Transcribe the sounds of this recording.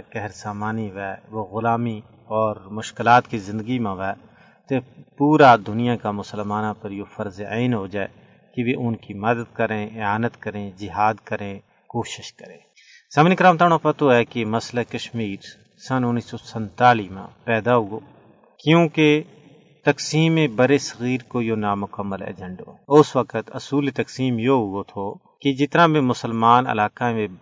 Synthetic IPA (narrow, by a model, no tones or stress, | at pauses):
kɛɦɾsaːmaːniʋɛːʋoːɣʊlaːmi | ɔːɾmʊʃkɪlaːt̪kizɪ̃nd̪əɡimãʋɛː | t̪epuːɾad̪ʊnijãkamʊsəlmaːnãpəɾjofʰəɾzaɪnɦod͡ʒaːe | kiʋiʔʊnkimɐd̪əd̪̚kəɾẽːɪaːnət̪kəɾẽd͡ʒɪɦaːd̪kəɾẽ | koːʃɪʃkəɾẽː | sɐmnikɾaːmt̪aːɽ̃õpɐt̪oɛkemɐslakɐʃmiːɾ | sɐnʊnːiːsɔsə̃nt̪aːlimã̰pɛːd̪aɦʊɡoː | kjõːke | t̪ɐksiːmːẽbɐɾesɐɣiːɾkojonamʊkəmːəlḛːd͡ʒə̃ɳɖɦo̰ɛʊswəkət̪ɐsuːlet̪ɐksiːmjoɦʊot̪ʰo | ked͡ʒɪt̪nãbʱẽmʊsəlmaːnɐ̰laːkamẽ